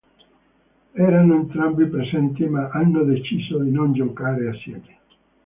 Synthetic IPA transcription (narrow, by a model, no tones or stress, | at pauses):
ɛːɾanoent̪ɾambipɾesɛnt̪imaʔanːod̪et͡ʃiːzod̪inond͡ʒokaːɾeasːjɛ̰ːme